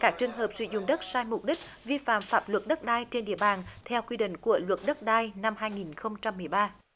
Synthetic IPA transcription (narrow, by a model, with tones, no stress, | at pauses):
kaː˦˥k̚t͡ɕɨ˨˧˩əŋɦəː˨˩p̚sɨ̰˧˩zʊ̰˧˨ŋ͡mɗə˦˥t̚saː˧jmʊ˨˩k͡p̚ɗi˦˥k̟̚ | vi˧fa̰ː˧˨mfaː˦˥p̚lwə˨˩t̚ɗə˦˥t̚ɗaː˧jt͡ɕe˧nɗḭ˧˨əɓaː˨˩nt̪ʰɛ˧wkwi˧ɗḭ̈˧˨ŋ̟ku˧˩əlwə˨˩t̚ɗə˦˥t̚ɗaː˧jna˧mɦaː˧jŋi˨˩nxə˧wŋ͡mt͡ɕa˧mːɨ˨˩əjɓaː˧